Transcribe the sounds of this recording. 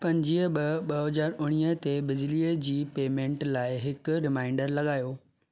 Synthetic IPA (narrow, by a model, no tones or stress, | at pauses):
pɐ̃ɲd͡ʑiəɓɐɓɐɦɦɐzaːɾʊɽ̃iːət̪ebɪd͡ʑliːəd͡ʑiːpeːmẽːɳʈlaːɪɦɪkʊɾɪmãːɪɳɖəɾlɐɠaːjoː